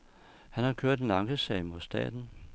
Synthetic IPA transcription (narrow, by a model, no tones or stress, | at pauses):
hænhɑ̈kʰøɐ̰d̥enɑ̈ŋɡ̥əsɛ̰ɪmoð̩ˠsd̥ɛ̰ːd̥n̩